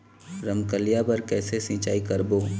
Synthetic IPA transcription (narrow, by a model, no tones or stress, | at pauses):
ɾəmkəlijabɐɾkɛːsesɪ̃ːt͡ʃaːikɐɾboː